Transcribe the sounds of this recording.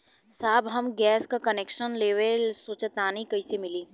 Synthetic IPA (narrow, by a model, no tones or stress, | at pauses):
saːbɦɐmɡɛːskakɐnekʃənleːʋelsut͡ʃt̪aːnikɐisemɪliː